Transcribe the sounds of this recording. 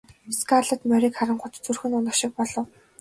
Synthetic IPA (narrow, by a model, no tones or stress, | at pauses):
skʰarɮə̆t̪mœɾʲiːkχaɾə̆ɴχʊt̪t͡sɵrxɘ̆nʊnə̆kʃĭk̚pɔɮɞ̆w